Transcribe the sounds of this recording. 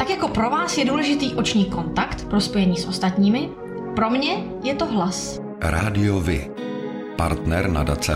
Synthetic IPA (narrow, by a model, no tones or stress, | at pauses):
t̪akjako̞pɾo̞vaːsjɛduːlɛʒɪt̪iːʔo̞t͡ʃɲiːko̞nt̪akt̪pɾo̞spo̞jɛɲiːsʔo̞st̪at̪ɲiːmɪ | pɾo̞mɲɛ | jɛt̪oɦlas | ɾa̰ːdɪovɪ | pa̰ɾt̪nɛɾna̰da̰t͡sɛ